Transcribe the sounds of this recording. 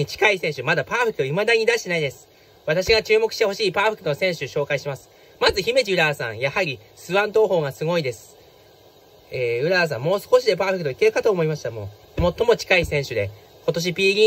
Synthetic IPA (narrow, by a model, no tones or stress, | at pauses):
it͡ɕi̥kaisẽ̞ɰ̃ɕɨmad̪apaːɸɯ̟kɯoimad̪aɲ̟id̪aɕi̥t̪enaid̪e̞sɨ̥ | βat̪aɕiɡat͡ɕɨːmokɯ̟ɕi̥t̪e̞ho̞ɕiːpaːɸɯ̟kːɯno̞sẽ̞ɰ̃ɕɨɕo̞ːkaiɕimasɨ̥ | mazɨçime̞d͡ʑiɯ̟ɾasã̰ɰ̃jahaɾʲi | sɨβãnt̪o̞ːɦo̞ːɡasɨɡo̞id̪e̞sɨ̥ | eːɯ̟ɾas̬ã̰mːo̞ːsɨ̥ko̞ɕ̬id̪e̞p̬aːɸɯkɯ̟t̪o̞ike̞ɾɯ̟kat̪oːmo̞imaɕi̥t̪amo̞̰ | mo̞t̪ːo̞mo̞t͡ɕi̥kaisẽ̞ɰ̃ɕɨd̪e̞̰ | ko̞t̪o̞ɕ̬ipʲiːɡʲiː